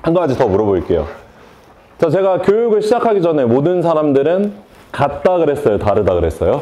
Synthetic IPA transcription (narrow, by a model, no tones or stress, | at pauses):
hanɡɯad͡ʑitʌmuɾʌboiɭk͈e̞jo̰ | t͡ɕat͡ɕe̞ɡakjojuɡɯɭɕʰid͡ʑakʰaɡid͡ʑʌne̞modɯnsʰaɾamdɯɾɯn | kat̚t͈aɡɯɾe̞s͈ʌjotaɾɯdaɡɯɾe̞s͈ʌjo